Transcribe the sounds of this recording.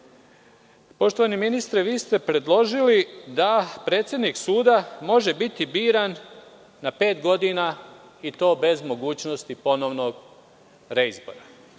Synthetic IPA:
po̞ʃt̪oʋaniminist̪ɾeʋiːst̪e̞pɾe̞d̪lˠo̞ʒilid̪apɾe̞ːt̪sje̞d̪niksuːd̪amo̞ʒe̞bit̪ibiːɾanː | ape̞ːt̪ɡo̞d̪ina | it̪o̞ːbe̞zmo̞ɡuːt͡ɕno̞st̪ipo̞no̞ʋno̞ɡ | ɾeizbo̞̰ɾa

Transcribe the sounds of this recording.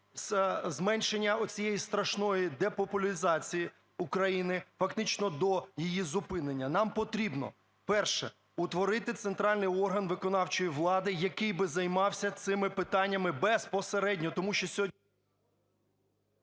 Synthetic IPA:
szmɛnʲʃenʲːɐɔt͡sʲijɛjist̪ɾɐʃnɔjid̪ɛpɔpʊlʲizɑt͡sʲiji | ukɾɐjinɪfɐkt̪ɪt͡ʃnɔd̪ɔjijizʊpɪnenʲːɐnɑmpɔt̪ɾʲibnɔ̰ | pɛrʃɛ | ʊt̪ʋɔɾɪt̪ɪt̪sent̪ɾɑlʲnɪjɔrɦɐnʋɪkɔnɑwt͡ʃɔjiʋlˠɑd̪ɪjɐkɪjbɪzɐjmɑwsʲɐt̪sɪmɪpɪt̪ɑnʲːɐmɪbɛspɔseɾɛdʲnʲɔt̪ɔmuʃt͡ʃɔsʲɔ

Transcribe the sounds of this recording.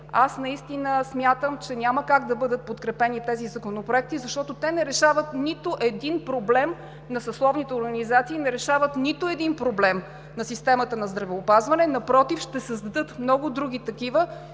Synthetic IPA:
asnɐist̪inəsmʲjat̪əmt͡ʃɛnʲaməkaɡd̪ɐbɤd̪ət̪̚pot̪kɾɛpɛnit̪ɛzizɐkonopɾoɛk̚t̪izɐʃt̪ɔt̪ot̪ɛnɛɾɛʃavət̪nit̪oʔɛd̪inpɾoblɛm | nɐsɐslˠɔvnit̪ɛoɾɡɐnizat̪siːnɛɾɛʃavət̪nit̪oɛd̪inpɾoblɛm | nɐsist̪ɛmət̪ənɐzd̪ɾɐvɛopazvɐnɛnɐpɾɔt̪ifʃt̪ɛsəzd̪ɐd̪ɤt̪mnɔɡʊd̪ɾuɡʲit̪ɐkivə

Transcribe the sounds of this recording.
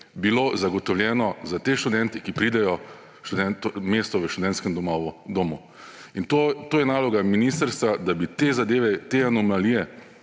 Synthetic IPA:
bilozaɡɔt̪ɔwljɛːnɔzat̪eːʃt̪ud̪ɛnt̪ikipɾiːd̪ɛjɔ | ʃt̪ud̪ɛnt̪ɔmeːst̪ɔʋəʃt̪ud̪ɛnt̪skɛmd̪ɔmɔʋɔd̪oːmu | int̪ot̪oːjɛnaːlɔɡaminiːst̪əɾst̪ʋad̪abit̪ezad̪eːʋɛt̪eanɔmalijɛ

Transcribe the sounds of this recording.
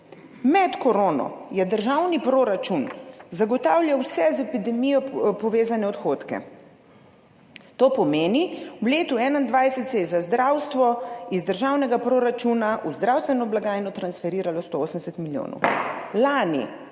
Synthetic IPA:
mɛt̪kɔɾoːnɔ̰jɛd̪əɾʒawnipɾoːɾat͡ʃunzaɡɔt̪aːwljawsɛzɛpid̪ɛmijɔpɔʋeːzanɛɔt̪xoːt̪kɛ̰ | t̪oːpɔmeːniwleːt̪uɛːnand̪ʋajsɛt̪sɛjɛzazd̪ɾawst̪ʋɔizd̪əɾʒaːwnɛɡapɾoːɾat͡ʃunaʔuzd̪ɾawst̪ʋɛnɔblaɡaːjnɔt̪ɾansfɛɾiːɾalɔst̪ooːsəndɛsɛt̪miljo̰ːnɔ̰wlaːnḭ

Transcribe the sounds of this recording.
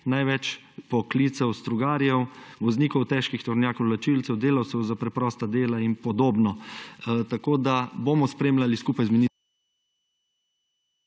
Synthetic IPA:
najʋɛt͡ʃ | pɔkliːt̪sɛwst̪ɾuɡaːɾjɛwʋɔzniːkɔwt̪ɛːʃkixt̪ɔɾnjaːkɔwlat͡ʃilt̪sɛwd̪eːlawt̪sɛwzapɾɛpɾɔːst̪ad̪eːlainpɔd̪oːbnɔ | t̪akoːd̪abomɔspɾeːmlaliskuːpajzmini

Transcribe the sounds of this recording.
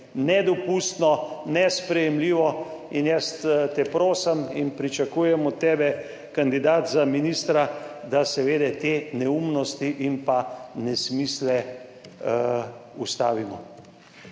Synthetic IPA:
nɛd̪ɔpust̪nɔnɛspɾɛjɛmliːʋɔ | injɛst̪t̪ɛpɾoːsəminpɾit͡ʃakuːjɛmɔt̪ːɛːbɛ | kand̪id̪aːt̪zaminist̪ɾad̪asɛʋeːd̪ɛt̪eːnɛumnɔst̪iʔimpanɛsmiːslɛ | ust̪a̰ːʋimɔ̰

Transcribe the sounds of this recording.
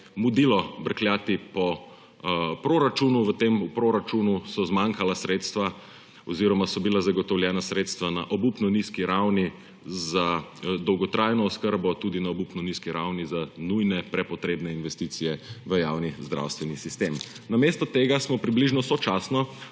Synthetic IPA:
mud̪ilɔbəɾklʲjaːt̪ipɔ | pɾoɾat͡ʃunuʋət̪emupɾoɾat͡ʃunusɔzmaŋkalasɾet̪st̪ʋa | ɔziɾɔmasɔbilazaɡɔt̪ɔwljɛːnasɾet̪st̪ʋanaʔɔbupnɔniskiɾawni | zad̪ɔwɡɔt̪ɾajnɔːskəɾbɔt̪ud̪inaɔbupnɔniskiɾawnizanujnɛpɾɛpɔt̪ɾeːbnɛinʋɛst̪iːt̪sijɛʋəjawnizd̪ɾa̰wst̪ʋɛnisist̪em | namest̪ɔt̪eɡasmɔpɾibliʒnɔsɔt͡ʃasnɔ

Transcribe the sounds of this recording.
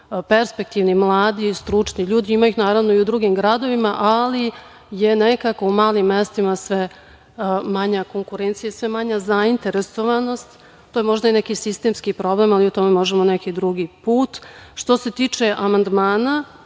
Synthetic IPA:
pe̞ɾspek̚t̪iʋnimlˠaːd̪ist̪ɾut͡ʂniʎuːd̪iimajixnaːɾaʋnoiud̪ɾuɡimɡɾad̪o̞ʋimaʔali | je̞nekakoumaːlimːest̪imasʋe | maɲakoŋkuɾeːnt̪sijasʋemaɲazaint̪e̞ɾeso̞ʋano̞st̪ | t̪oːjemo̞ʒd̪ainekisist̪emskipɾo̞blemaliut̪o̞me̞mo̞ʒemonekid̪ɾuɡipuːt̪ʃt̪o̞se̞t̪iːt͡ʂe̞ʔamand̪maːna

